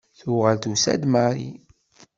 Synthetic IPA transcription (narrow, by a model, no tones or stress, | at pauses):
θʊʁəlt̪usæ̰d̪maɾḭ